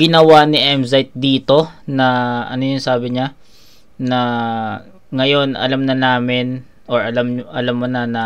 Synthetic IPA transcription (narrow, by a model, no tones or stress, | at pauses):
ɡɪnɐwanɪʔɛmzajt̪̚d̪iːt̪o̞nɐʔɐ̰nojʊŋsaːbɪɲa | nɐ | ŋɐjo̞nɐ̰lamnɐnaːmɪn | ʔoɹʔɐlamʔɐlamːonɐnɐ